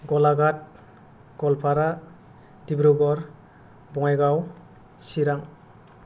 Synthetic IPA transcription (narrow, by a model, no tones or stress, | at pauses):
ɡɔlaɡat̚ | ɡ̥ɔlpʰaɾa | dibɾuɡɔɾ | bɔŋajɡaw | siɾaŋ